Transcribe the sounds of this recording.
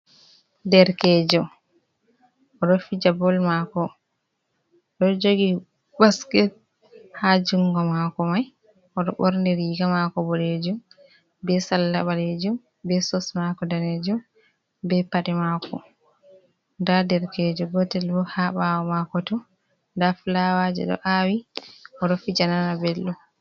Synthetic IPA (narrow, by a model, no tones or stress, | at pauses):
dɛɾkɛd͡ʒɔ | ʔɔɗɔfid͡ʒabɔlmakɔ | ɗɔd͡ʒoɡi | baskɛt̚ | had͡ʒuŋɡɔmakɔmaj | ʔɔɗɔɓɔɾndɛɾiɡamakɔbɔled͡ʒum | bɛsalːaɓaled͡ʒum | bɛsɔsmakɔdaned͡ʒum | bɛpaɗɛmakʰɔ | ndadɛɾkɛːd͡ʒɔbɔtɛlbɔhaɓawɔmakɔtɔ | ndaflawad͡ʒɛ̰ɗɔ̰ʔawiʔɔɗɔfid͡ʒananabɛlːɔ